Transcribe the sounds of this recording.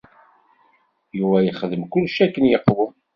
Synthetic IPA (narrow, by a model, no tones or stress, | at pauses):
juvæjəχəðəmkʊlːʃækːənjəqːwə